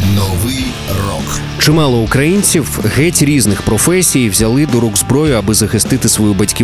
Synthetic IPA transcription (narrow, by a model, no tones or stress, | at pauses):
nɔʋɪj | rɔ̰k | t͡ʃɪmɑlˠɔʊkɾɐjinʲt͡sʲiwɣɛtʲɾʲiznɪxpɾɔfɛsʲijwzʲɐlˠɪd̪ɔɾuɡzbɾɔjʊɐbɨzɐxɪst̪ɪt̪ɪsʋɔjubɐtʲkʲi